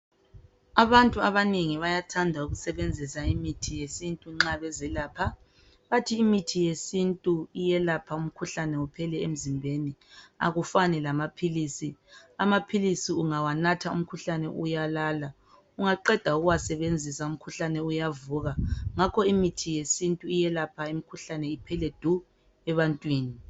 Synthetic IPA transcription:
aβantʼuaβaneŋiβajatʰandʱauɣusɛβend͡zʱisaimitʰijesintʼuŋ͡ǁaβɛzɛlaːpʰa | βatʰiːmitʰijesintʼuijɛlapʰaum̩kʰuɬanɛupʰɛlɛem̩zimbʱenia̰ɣufanɛlamapʰiliːsiamapʰilisiuŋawanatʰaṵm̩kʰuɬanɛ̰ʔujalala | uŋaǃɛd̥ʱauɣuwasɛβend͡zʱisaum̩kʰuɬanɛujavuːɣaŋakʰɔimitʰijesintʼuijɛlapʰaimikʰuɬanɛipʰɛlɛd̥ʱu | ɛβantʼwiːni

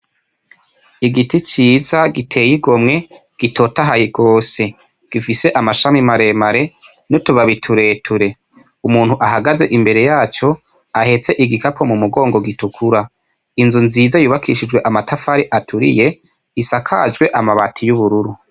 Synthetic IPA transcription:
iɡitit͡ʃiːzaɡitʰe̞jiɡo̞mŋe̞ | ɡ̥itʰo̞taɦajiɡ̥o̞ːse̞ | ɡ̥ifise̞ʔamaʃamimaɾe̞maɾe̞ | nutuβaβitʰuɾe̞ːtʰuɾe̞ | umuːnhuʔaɦaɡaze̞ʔimbe̞ɾe̞jaːt͡ʃo̞ | ahe̞t͡se̞ʔiɡikapʰomumuɡo̞ːŋɡo̞ɡitukʰuɾa | inzunziːzajuːβakʰiʃid͡ʒwe̞ʔamatʰafaɾiʔatʰuɾḭje̞ | isakʰa̰d͡ʒɡwe̞ʔamaβatʰijuβuɾuɾu

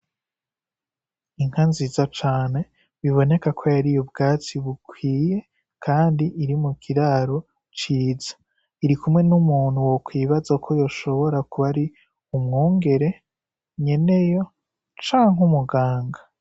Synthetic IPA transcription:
iŋ̥hanziːzat͡ʃaːne̞ | βiβo̞ne̞kakʰo̞jaɾijobɡaːt͡siβukwiːje̞ | kʰaːndiʔiɾimukʰiɾaɾo̞ | t͡ʃiːzḁ | iɾikumŋe̞numuːn̥huwokwiːβazakʰo̞jo̞ʃo̞βo̞ɾakuβaɾi | umŋoːŋɡe̞ɾe̞ | ɲe̞ne̞jo̞ | t͡ʃaːŋɦumuɡaːŋɡa

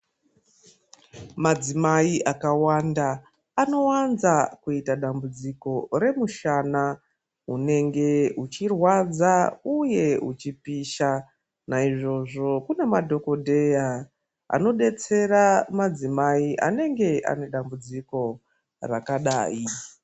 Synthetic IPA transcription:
mad͡zimaiʔakawandaː | no̞wanzakuitaɗambud͡ziko̞ɾe̞muʃana | une̞ŋɡe̞ut͡ʃirwad͡zauje̞ut͡ʃipiʃa | naiʐo̞ʐo̞kune̞madʱo̞ko̞dʱe̞ja | a̰no̞ɗe̞t͡se̞ɾamad͡zimaiʔa̰ne̞ŋɡe̞ʔa̰ne̞ɗambud͡ziko̞ | rakaɗa̰ːi

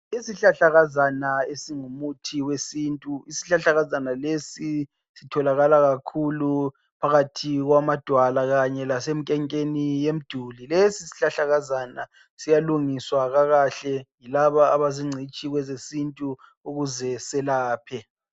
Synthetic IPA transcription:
isiɬaɬaɣazanaesiŋumutʰiwesintʼuisi̥ɬaɬaɣazanalesi | sitʰɔlaɣalaɣakʰulu | pʰaɣatʰiɣwamad̥ʱwalaɣaɲɛlasem̩kʼɛŋkʼenijem̩d̥ʱulilesisi̥ɬaɬaɣazana | sijaluŋiswaɣaɣaɬɛŋilaβaːβaziŋ͡ǀʱit͡ʃʼiɣwɛzesintʼu | uɣuzɛsɛlaːpʰɛ

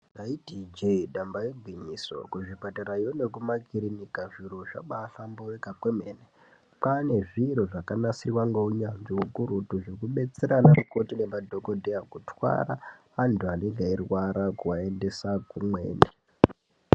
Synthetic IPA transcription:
naidʱid͡ʒeiɗambajeɡʱwiɲiso̞̰kuʐibʱataɾajone̞kumakiɾinikaʐiɾoʐa̰ɓaɬamboʋekakwemeːne | pane̞ʐiɾoʐakanasirwaŋɡouɲanʐiwukuɾutuʐekuɓe̞t͡seɾanarukotinemadʱo̞kodʱeakutwa̰ɾa | antuaneŋɡairwaɾakuwae̞nde̞sakumwḛːne

